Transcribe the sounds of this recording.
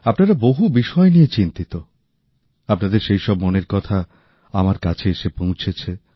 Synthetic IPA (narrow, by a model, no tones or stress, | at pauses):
apnaɾaboɦubiʃɔenijet͡ɕint̪it̪o | apnad̪eɾʃejʃɔbmoneɾkɔt̪ʰa | amaɾkat͡ɕʰeeʃepõw̃t͡ɕʰet͡ɕʰe